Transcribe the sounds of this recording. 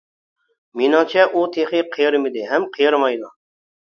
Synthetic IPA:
minɑt͡ʃʰɛʔut̪ʰeχɪqʰɨjɾmɪd̪ɪɦɛmqʰɨjɾmɑjd̪ʊ

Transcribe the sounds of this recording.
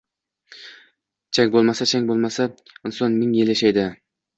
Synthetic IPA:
t͡ʃʰaŋʲbolˠmasat͡ʃʰaŋʲbolˠmasa | ɪnsɒnmɪŋjeleʃajd̪ɪ

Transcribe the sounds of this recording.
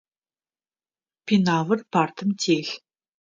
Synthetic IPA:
pʰinaːvɨrpʰaːrt̪ʰɨmtʰeːɬ

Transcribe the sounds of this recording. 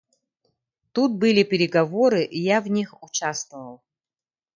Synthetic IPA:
t̪ut̪̚bɨlʲɪpʲɪɾʲɪɡɐvoɾɨʔijavnʲixut͡ɕast̪vəvəlˠ

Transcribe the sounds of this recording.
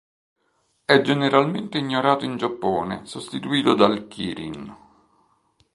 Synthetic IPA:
ɛd͡ʒeneɾalment̪eiɲːoɾaːt̪oind͡ʒapːɔːnḛsost̪it̪uiːt̪od̪alkʰiːɾḭn

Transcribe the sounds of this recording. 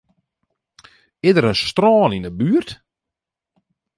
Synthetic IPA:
ɪdəɾənstrɔːninəbyːərt

